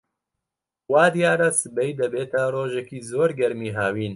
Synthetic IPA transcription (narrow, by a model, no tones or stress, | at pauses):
waːd̪ijaːɾasɨbɛjd̪ɐbeːt̪ʰaroːʒɛkiːzoːɾɡʲɛɾmiːɦaːwiːn